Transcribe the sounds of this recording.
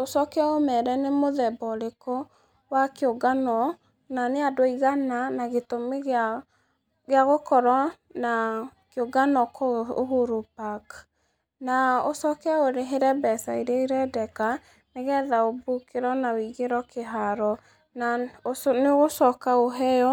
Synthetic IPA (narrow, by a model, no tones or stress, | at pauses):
osɔkeaomɛɾɛnemoðɛbɔɾekɔ | wakeoɡanɔ | naneadoiɣananaɣetomeɣ | ɣeaɣokɔɾɔ | nakeoɡanɔkɔohoɾopak | naosɔkɛaoɾeɦeɾɛbɛsaiɾeiɾɛdɛka | neɣɛðaobukeɾɔnawiɣeɾɔkeɦaɾɔ | naoneɣosɔkaoɦɛjɔ